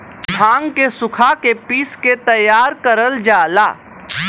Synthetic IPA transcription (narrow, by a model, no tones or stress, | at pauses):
bʱãːŋɡkesʊkʰakepiːsket̪ɐjːaːɾkɐɾəld͡ʒaːla̰ː